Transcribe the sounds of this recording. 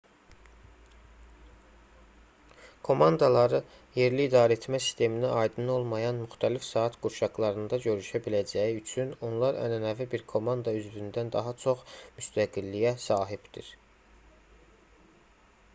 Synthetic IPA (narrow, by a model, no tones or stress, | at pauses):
kʰo̞mɑnd̪ɑlˠɑɾɯ | je̞ɾliːd̪ɑːɾæet̪ʰmæsi̥st̪e̞miniʔɑjd̪ɯno̞lˠmɑjɑnmyxt̪ʰælifsɑːɑt̪ɡuɾʃɑɡlˠɑɾɯnd̪ɑɟø̞ɾyʃæbilæd͡ʒæjiyt͡ʃʰyno̞nlˠɑɾæ̰nænævibiɾkʰo̞mɑnd̪ɑyzvynd̪ænd̪ɑɦɑt͡ʃʰo̞χmyst̪ʰæɡilːijæsɑːɦibd̪̥ḭɾ